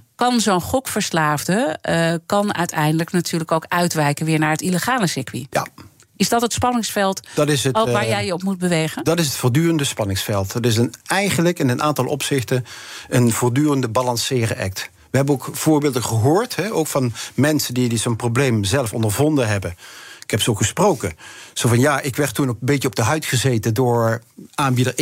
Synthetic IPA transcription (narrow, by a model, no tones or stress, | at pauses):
kɑnzownχɔkfəɹslaːvdəkɑnœ̰ɥtʰɛjndələknatyːɹləkowkœɥtʋɛjkənʋɪːɹnaːɹɦətiləχaːləsɪkʋija̰ | ɪzdɑtɦətspɑnɪŋsfɛlˠtd̥ɑtɪsəʋaːɹjɛjəɔpmut̚bəʋejχəndɑtɪs̬ɦətfʊːɹdyːrəndəspɑnɪŋsfɛlˠtətɪs̬ənɛjχənləkɪnənʔa̰ːntɑlˠʔɔ̰psɪχtənənv̥ʊːɹdyːrəndəbalɑnsɪːrə̰ʔɛ̰k̚t | ʋəɦɛbənokv̥ʊːɹbɪːlˠdəχəɦʊːɹtɦɛowkfɑnmɛnsəndidizonprowblejmzɛlˠəfɔ̰ndəɹvɔndənɦɛbənɪkɦɛpsoχəsprowkəz̥ovɑnjaʔɪkʋɛɹtːunbeəɔb̚dəɦœɥtχəzejtəndʊːɹaːnbidəɹ